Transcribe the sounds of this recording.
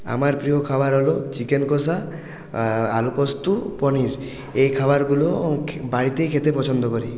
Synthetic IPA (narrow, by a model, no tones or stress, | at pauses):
a̰maɾpɾiokʰabaɾɦɔlot͡ʃikenkosa | alupɔst̪upɔniɾ | ejkʰabaɾɡulobaɽit̪ejkʰet̪epɔt͡ʃʰɔnd̪ɔkɔɾi